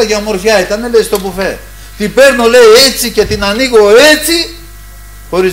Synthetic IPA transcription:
ɐʝɐmo̞ɾçɐit̪ɐne̞lest̪o̞bufe̞ | t̪ibe̞ɾno̞le̞iet͡sice̞t̪inɐniɣo̞e̞t͡si | xo̞ɾiz

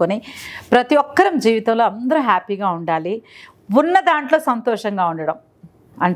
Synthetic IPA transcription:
konipɾɐt̪iʋɔkːɐɾɐmd͡ʒiːʋit̪ɐmloːɐnd̪ɐɾuɦaːpiːɡaːuɳɖaːli | unːɐd̪aːɳʈlo̞ːsɐnt̪ɔːʂɐŋɡaːuɳɖɐɽɐm | ɐɳ

